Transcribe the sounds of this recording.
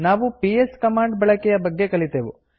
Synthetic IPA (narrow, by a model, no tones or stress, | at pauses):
naːʋupieskɐmaːɳɖbɐɭɐkɛjɐbɐɡːe̞kɐɭit̪eːʋu